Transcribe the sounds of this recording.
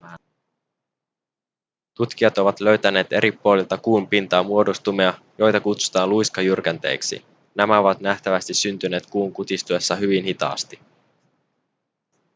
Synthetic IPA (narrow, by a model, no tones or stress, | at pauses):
t̪ut̪k̟iɑt̪o̞ʋɑt̪lø̞ɥt̪æne̞ːt̪e̞̰ɾipːuolilt̪ɑkuːmpint̪ɑːmuo̞dost̪umeɑ | jo̞jt̪ɑkut̪su̥t̪ɑːnlujskɑjyrkænt̪e̞̰ːksḭ | næmæo̞ʋɑt̪næht̪æʋæst̪isynt̪yne̞ːt̪kuːŋkut̪ist̪ue̞sːɑɦyʋinhit̪ɑ̰ːst̪i